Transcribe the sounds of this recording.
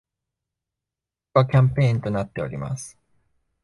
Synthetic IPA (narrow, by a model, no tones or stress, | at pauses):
kɯβakʲãmpe̞ĩnt̪o̞nat̪ːe̞oɾʲima̰sɨ̥